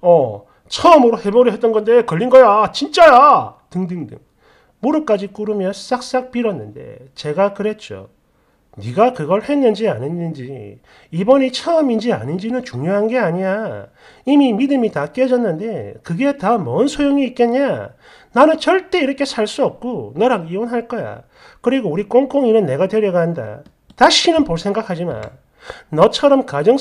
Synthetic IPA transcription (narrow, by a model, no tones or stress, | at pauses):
ʌ | t͡ɕʰʌʌmɯɾohe̞boɾiɦet͈ʌnɡʌnde̞kʌʎːinɡʌjat͡ɕint͡ɕ͈ajatɯŋdɯŋdɯ̰ŋ | moɾɯk͈ad͡ʑik͈uɾɯmjʌs͈ak̚s͈ak̚p͈iɾʌnːɯnde̞̰t͡ɕe̞ɡakɯɾe̞t͡ɕ͈o̰ | niɡakɯɡʌɭhe̞nːɯnd͡ʑianinːɯnd͡ʑi | ibʌnit͡ɕʰʌʌmind͡ʑia̰nind͡ʑinɯnt͡ɕuŋɲjoɦanɡe̞aɲia | imimidɯmitak͈ed͡ʑʌnːɯnde̞kɯɡe̞tamʌɯnsʰojoŋiːt̚k͈eɲɲa | nanɯnt͡ɕʌɭt͈e̞iɾʌkʰe̞sʰaɭs͈uʌp̚k͈onʌɾaɡionɦaɭk͈ʌja̰ | kɯɾiɡouɾik͈oŋk͈oŋinɯnːe̞ɡatweɾjeɡaɦanda̰ | taɕʰinɯnpoɭsʰe̞ŋɡakʰad͡ʑima̰n | nʌt͡ɕʰʌɾʌmkad͡ʑʌŋ